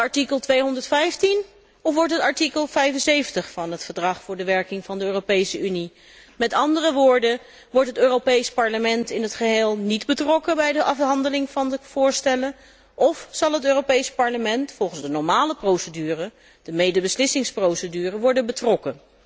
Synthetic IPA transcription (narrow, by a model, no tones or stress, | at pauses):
ɑɹtikəlˠtʋejɦɔndəɹtfɛjftin | ɔfʋɔɹtɦətɑɹtikəlˠvɛjfənsejfəntəχfɑnɦətfəɹdrɑχfʊːɹdəʋɛɹkɪŋvɑndəøːropejsəyni | mɛtɑndərəʋʊːɹdə | ʋɔɹtɦətøːrowpejspɑɹləmɛntɪnɦətχəɦeːlˠnidbətrɔkəbɛjdəʔɑfɦɑndəlɪŋvɑnəv̥ʊːɹstɛlə | ʔɔfsɑlˠɦətøːrowpejspɑɹləmɛntfɔlˠχənzdənɔɹmaːləprowsədyːrə | d̥əmejdəbəslɪsɪŋsprowsədyːrəʋɔɹdənbətrɔkə